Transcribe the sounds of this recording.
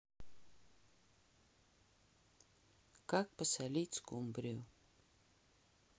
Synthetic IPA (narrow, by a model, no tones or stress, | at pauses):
kak̚pasalʲit̪ʲskumbɾʲiu